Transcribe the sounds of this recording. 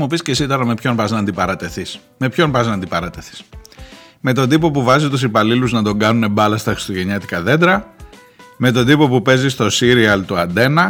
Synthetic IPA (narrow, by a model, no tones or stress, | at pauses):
mopiscesit̪oɾɐmepço̞npɐznɐːnd̪ipɐɾɐt̪eθis | me̞pço̞npɐznɐːnd̪ipɐɾɐt̪eθi̥s | me̞t̪o̞nd̪ipo̞puvɐzit̪usipɐliluznɐt̪o̞ŋɡɐnune̞bɐlɐst̪ɐxɾist̪o̞ʝe̞ɲɐt̪ikɐðe̞d̪ɾɐ | me̞t̪o̞nd̪ipo̞pupe̞zist̪o̞siɾiɐlt̪uɐnd̪e̞nɐ